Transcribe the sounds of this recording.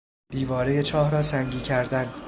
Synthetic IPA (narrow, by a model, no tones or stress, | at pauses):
d̪̥iːvɒːɾe̞je̞t͡ʃʰɒːhɾɒːsæŋɟiːcʰæɾd̪æn